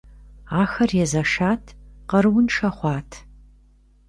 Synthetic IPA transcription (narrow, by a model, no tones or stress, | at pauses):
aːxɐrjɛzɐʂaːtʰqɐɾɨwʊnʂɐχʷɑːtʰ